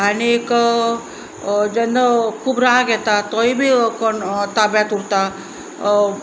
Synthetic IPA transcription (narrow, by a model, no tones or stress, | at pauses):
añiek | d͡ʒend̪əkʰuːbɾaaɡɛt̪at̪ɔibʱikɔnt̪abjat̪uɽt̪a